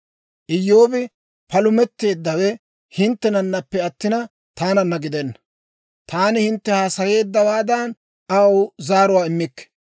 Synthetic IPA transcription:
ʔɪjːo̞ːbɪ | pɐlʊmɛt̪ːe̞ːd̪ːɐwɛ | hɪnt̪ːɛnɐnːɐpːɛɐt̪ːɪnɐ | t̪aːnɐnːɐɡɪd̪ɛnːɐ̥ | t̪aːnɪhɪnt̪ːɛhaːsɐje̞ːd̪ːɐwaːd̪ɐn | ɐwzaːɾʊwaːɪmːɪkːɛ̥

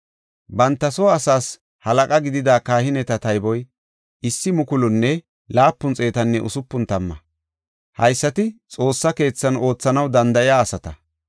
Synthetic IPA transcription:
bɐnt̪ːɐsoːɐsaːs | hɐlɐkʼɐɡɪd̪ɪd̪aːkaːhɪnɛt̪ɐt̪ɐjbɔj | ʔɪsːɪmʊkʊlʊnːɛ | laːpːʊnt͡sʼe̞ːt̪ɐnːɛʔʊsʊpːʊnt̪ɐmːɐ | hɐjsːɐt̪ɪt͡sʼo̞ːsːɐke̞ːt͡sːɐno̞ːt͡sːɐnɐwd̪ɐnd̪ɐjaːsɐt̪ɐ

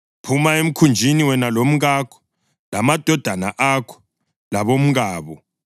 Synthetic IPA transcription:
pʰumaem̩kʰund͡ʒʱiniwɛnalom̩ɣaːkʰɔ̥ | lamad̥ʱɔd̥ʱana̰ʔakʰɔ̥ | laβom̩ɣaːβɔ

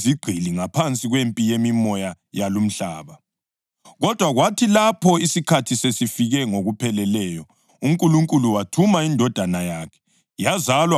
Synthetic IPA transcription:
ziɡ͡ǀʱiliŋapʰant͡sʼiɣwempʼijemimɔja | jalum̩ɬa̰ːβa | ɣɔd̥ʱwaɣwatʰilapʰɔisikʰatʰisesifiɣɛŋoɣupʰɛlɛlɛjɔ | um̩kʼuluŋkʼuluwatʰumaindʱɔd̥ʱanajaːkʰɛ̥ | jazalwa

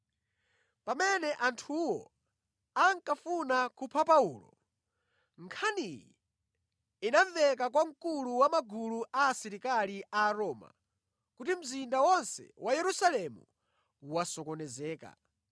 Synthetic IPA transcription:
pamɛnɛʔantʰuwɔ̰ | aŋkafunakupʰapaulɔ̰ | ŋkʰanijḭ | inaɱvɛk̬akwaŋkuluwamaɡuluʔaːsiɾikaliʔaːɾɔːma̰ | kutim̩zindawɔnsɛ̰wʔajɛɾusalɛmṵ | wasɔkɔnɛzɛːka̰

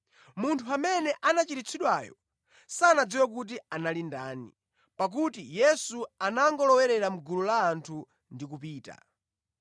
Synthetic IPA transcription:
muntʰuamɛnɛʔanat͡ʃiɾit͡sʰiɗwaːjɔ̰ | saːnad͡ziwak̬ut̬ianalindaːnḭ | pak̬utijɛsuanaŋɡɔlɔwɛɾɛɾam̩ɡululaːntʰu | ndik̬upiːta̰

